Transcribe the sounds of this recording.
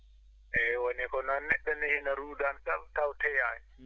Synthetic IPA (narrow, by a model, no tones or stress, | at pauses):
ʔɛwanɛkɔnanɛɗːanɛhinaɾuːdansabtawtʰɛjaj